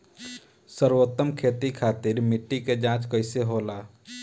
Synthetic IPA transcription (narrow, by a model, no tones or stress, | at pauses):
səɾwət̪ːəmkʰeːt̪ikʰaːt̪ɪɾmɪʈːiked͡ʒãːt͡ʃkəɪseɦoːlaː